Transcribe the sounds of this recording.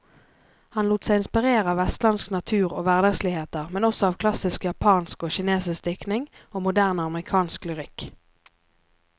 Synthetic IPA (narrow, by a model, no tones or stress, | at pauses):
hɑnluːt̪sæɪɪnspɪʁeːʁəɑːʋɛst̪lɑnsknɑt̪ʰʉːʁoːʋæʁd̪ɑɡsliheːt̪əʁmɛnɔsɔɑːʋkʰlɑsɪskjɑpʰɑːnskoːʃɪneːsɪsd̪ɪknɪŋoːmʊd̪æːʁnɑməʁɪkʰɑːnsklʏʁɪk